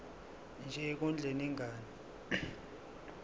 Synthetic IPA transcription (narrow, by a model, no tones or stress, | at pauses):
nd͡ʒʱɛk̬und͡ɮʱeniŋʱaːni